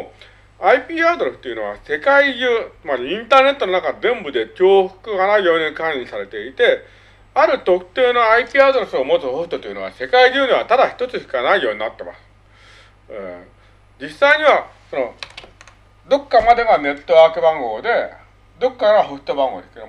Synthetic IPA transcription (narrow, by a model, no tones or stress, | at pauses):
aipʲiːad̪oɾesɯ̥t̪ːeiɯ̟no̞βa̰se̞kaiʑɨːmaɾiĩnt̪aːne̞t̪ːo̞no̞nakazẽ̞mbɯ̟d̪e̞kʲo̞ːɸɯ̟̥kɯ̟ɡanaijo̞ːɲ̟ikãisaɾe̞t̪e̞it̪e̞ | aɾɯ̟t̪o̞kɯ̟̥t̪e̞ːno̞aipʲiːad̪o̞ɾesɨo̞mo̞t͡sɨhoɸɯ̟t̪o̞t̪o̞jɯ̟no̞βa̰se̞kaiʑɨːɲ̟iβ̞at̪ad̪açi̥t̪o̞t͡sɨçi̥kanaijo̞ːɲ̟inat̪ːe̞ma̰sɨ̥ | e | d͡ʑisaiɲ̟iβaso̞no̞ | d̪o̞kːamad̪e̞ɡane̞t̪ːo̞βaːkɯ̟bãŋɡo̞ːd̪e̞ | d̪o̞kːaɡaɦoɸɯ̥t̪o̞bãŋɡoːd̪esked̪